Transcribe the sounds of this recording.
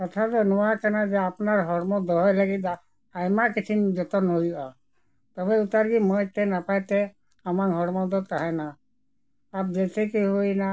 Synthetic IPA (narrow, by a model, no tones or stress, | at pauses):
ɔt̪ʰad̪ɔnɔwakanad͡ʒeapnaɾɦɔɽmɔd̪ɔɦɔjlaɡit̪a | ajmakit͡ʃʰind͡ʒɔt̪ɔnɦoja | t̪ɔbɛut̪aɾɡimɔjt̪enapajt̪e | amakɦɔɽmɔd̪ɔt̪aɦɛnaː | p̚d͡ʒɛt̪ɛkiɦojna